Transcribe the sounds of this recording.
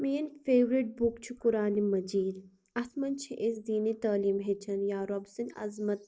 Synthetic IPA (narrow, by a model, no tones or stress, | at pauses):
meːnfeːʋɾiʈ̚bukt͡ʃʰukʊɾaːnimɐd͡ʒiːl | ɐsmɐnt͡ʃʰiʔes̬d̪iːnit̪aːliːmɦet͡ʃʰɐnjaːɾɐbsinɐ̰zmɐt̪̚